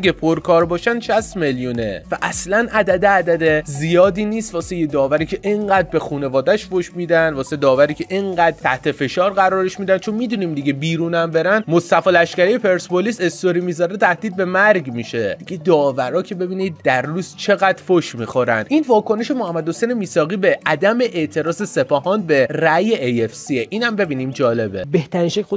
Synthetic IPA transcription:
iɡepʰoɾkʰɒːɾbɒːʃænd̪ʃæst̪me̞ljune̞̰væʔæslænʔæd̪æd̪eæd̪æd̪ezijɒːd̪iːniːst̪vɒːsejed̪ɒːvæɾiːcʲʰe̞ʔeɴɢæːd̪̚be̞xuːne̞vɒːd̪æʃfoʃmiːd̪ænd̪vɒːsed̪ɒːvæɾiːcʰʲe̞ʔeɴɢæd̪̚t̪ʰæht̪ʰe̞fe̞ʃɒːɾɣæɾɒːɾeʃmiːd̪ænt͡ʃʰo̞nmiːd̪uniːmd̪iɡebiːɾuːnæmbe̞ɾænmost̪æfɒlæʃcæɾejepʰe̞ɾsbolisest̪oɾiːmizɒɾet̪ʰæhd̪iːd̪̚be̞mæɾɡmiʃe̞d̥̪iɡe̞d̪ɒːvæɾɒːcʰe̞be̞biːnid̪̚d̪æɾːuːz̥t͡ʃʰe̞ɣæd̪foʃmixo̞ɾænd̪ʔiːnvɒːko̞ne̞ʃe̞mohæmːæd̪hosejnemiːsɒːɣiːbe̞æd̪æme̞ʔeʔt̪ʰe̞ɾɒːzese̞pʰɒːhɒnbe̞ræjeʔejefsieʔiːnhæmbe̞biːniːmd͡ʒɒːle̞bebeht̪ʰæɾinʃæko

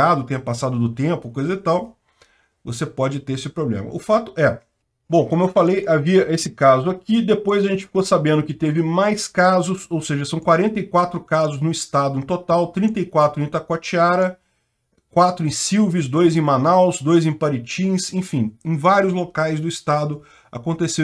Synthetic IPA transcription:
ad̪ʊt̪ẽj̃ɐpasad̪ʊd̪ʊt̪ẽpʊkojzɐzɪt̪aw | vosepɔd͡ʒɪt̪eɾesɪpɾoblḛ̃mɐ̰ʊfat̪ʊʔɛ | bõkõmʊewfalejaviɐʔesɪkazʊakid̪epojzɐʒẽnt͡ʃɪ̥fi̥kosabẽnd̪ʊkɪt̪evɪmajskazʊsowseʒɐsɐ̃w̃kwaɾẽnt̪ɐikwat̪ɾʊkazʊznʊist̪ad̪ʊẽt̪ot̪awt̪ɾĩnt̪ɐikwat̪ɾʊẽt̪akat͡ʃiaɾɐ | kwat̪ɾʊẽj̃siwvɪzd̪ojzẽj̃manawzd̪ojzẽj̃paɾit͡ʃĩsẽj̃fĩj̃ẽj̃vaɾjʊzlokajzd̪ʊist̪ad̪ʊ | a̰kõnt̪ese

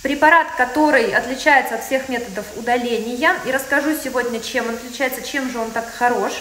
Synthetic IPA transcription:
pɾʲɪpɐɾat̪kɐt̪o̞ɾɨjɐt̪lʲɪt͡ɕæjɪt̪səɐt̪fsʲe̞xmʲe̞t̪əd̪əfʊd̪ɐlʲenʲɪjəiɾəskɐʐusʲɪvo̞dʲnʲət͡ɕemonɐt̪lʲɪt͡ɕæjɪt̪sət͡ɕe̞mʐɨo̞nt̪akxɐɾo̞ʂ

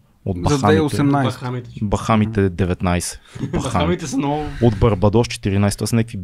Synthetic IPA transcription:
od̪bɐzɐaɛiosɛmnajabɐxamit̪ɛd̪ɛvɛt̪najsɛ̥bɐxamit̪ɛsnɔod̪bɐɾbɐd̪ɔʃt͡ʃɛ̥t̪iɾinajst̪asnɛkəvi

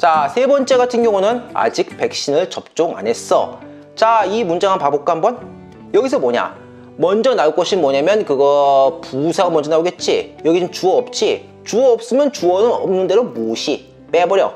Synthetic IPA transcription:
t͡ɕasʰe̞bʌnt͡ɕ͈e̞ɡatʰɯnjʌŋunɯna̰d͡ʑik̚pe̞k̚ɕ͈inɯɭt͡ɕʌp̚t͡ɕ͈oŋa̰ne̞s͈ʌ | t͡ɕaimund͡ʑaŋanpabok̚k͈aɦambʌn | jʌɡis̬ʰʌmoɲa̰ | mʌnd͡ʑʌnauk͈ʌɕʰinmwʌɲamjʌnkɯɡʌpusʰaɯmʌnd͡ʑʌnaoɡe̞t̚t͡ɕ͈ijʌɡit͡ɕimt͡ɕuʌʌp̚t͡ɕ͈i | t͡ɕuʌʌp̚s͈ɯmjʌnt͡ɕuʌnɯnʌmnɯnde̞ɾomoɕʰi | p͈ebʌɾjʌ

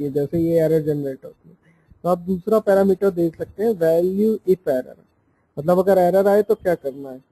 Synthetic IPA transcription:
iɦɛd͡ʒɛːsejeɛːɾəɾd͡ʒɛnəɾeːʈɦo̰ːt̪iɦɛ | t̪oaːp̚d̪uːsɾapɛːɾaːmiːʈəɾd̪eːksɐk̚t̪eɦɛ̃ʋɛːljuɪpɛːɾə̰ɾ | mɐt̪ləbɐɡəɾɛːɾəɾaːet̪okjaːkɐɾnaɦɛː

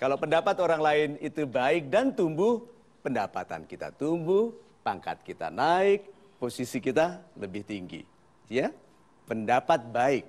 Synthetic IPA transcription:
kalawpəndapat̪oɾaŋlaɪnit̪ubaɪk̚dant̪umbʊh | pəndapa̰t̪a̰nkit̪a̰t̪umbʊh | paŋka̰t̪̚kit̪a̰naɪk̚ | posisikit̪aləbɪht̪iŋɡḭ | ja | pəndapat̪̚baɪk̚

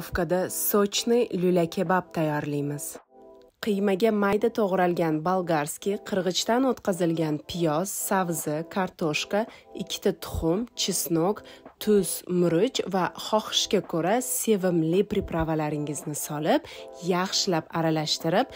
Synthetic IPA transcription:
fkad̪asot͡ʃʰnɪjlʊlakʲʰebap̚t̪ʰajːɒɾlijmɪz̥ | qʰɨjmaɡʲamajd̪at̪ʰoʁɾalˠɡʲanbalˠɡaɾskʲiqʰɨɾʁɨt͡ʃt̪anot̪qɑzɪlɡʲanpʰɪjɒz̥ːavzɪkʰaɾt̪ʰoʃkaɪkʲʰːɪ̥t̪ʰat̪ʰʊ̥χʊmt͡ʃʰɪsnokt̪ʰʊsmʊɾʊt͡ʃvaχɒχɨ̥ʃkʲakʰoɾase̞vɪmlɪpɾɪpɾavalaɾɪŋɪznɪsɒlɪpjɑχʃɪlapaɾalaʃt̪ɪɾɪp̚

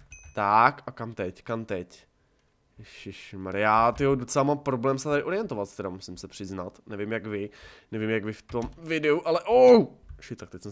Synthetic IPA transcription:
t̪akakamt̪ɛckamt̪ɛc | ʃɪʃmaɾɪjaːt̪ɪjodot͡sɛlamampɾoblɛːmsɛt̪adɪʔo̞ɾɪjɛnt̪ovat̪st̪ɛɾamusɪmsɛpr̥ɪznat̪nɛvɪmjaɡvɪnɛvɪmjaɡvɪft̪omvɪdɛuʔalɛʔowʃɪt̪akt̪ɛcsɛm

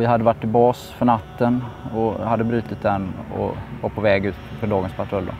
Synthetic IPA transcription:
vɪɦad̪ːəvaʈːɪlbɑːsfœɳat̪ːənɔhad̪ːəbɾyːt̪ɪt̪̚d̪ɛnːɔ̰vɑːɾpʰɔvɛːɡʉ̟ːt̪fœɖɑːɡənspʰaʈʰɾɵld̪ɔ̰

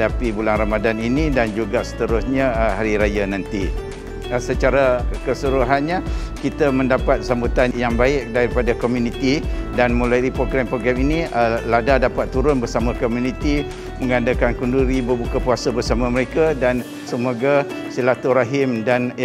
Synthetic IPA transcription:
dapibulaŋɾamadaninĩdand͡ʒuɡaʔsə̥t̪əɾʊsɲaɦaɾiɾajanãnt̪i | sət͡ʃaɾakəsuɾuɦanɲakit̪amə̃ndapat̪̚sambut̪anjaŋbaɪk̚daɾipadakomjunit̪idanmulajipɾoɡɾampɾoɡɾɛminiəladadapat̪ːuɾʊnbərsamãkomjunĩt̪i | məŋadakankunduɾibərbukapuasabərsamaməɾekadan | səmoɡa | silat̪ɔɾaɦɪmdan

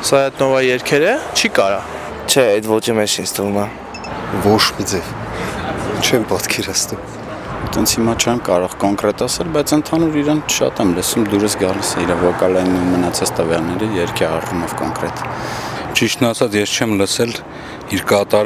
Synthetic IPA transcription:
sɑɛt̪nɔvɑjɛɾkʰɛɾət͡ʃʰikɑɾɑ | t͡ʃʰɛɛd̪vɔt͡ʃimɛt͡ʃʰinsʰt̪ʰəvumɛ | vɔt͡ʃʰmid͡zɛv | t͡ʃʰɛmpɑt̪kʰɛɾɑt͡sʰnum | t̪ɛnt͡sʰhimɑt͡ʃʰɛmkɑɾɔʁkɔŋkɾɛt̪ɑsɛlbɑjt͡sʰənt̪ʰɑnuɾiɾɛnʃɑ̰t̪ɛmləsumd̪uɾəsɡɑlisɛiɾɑvɔkɑlɛnumənɑt͡sʰɑt͡st̪əvjɑlnɛɾijɛɾkʰɛɑrumɔvkɔ̰ŋkɾɛt̪ | t͡ʃiʃt̪ʰnɑsʰɑt͡sjɛst͡ʃʰɛmləsɛl | iɾkɑt̪ɑɾ

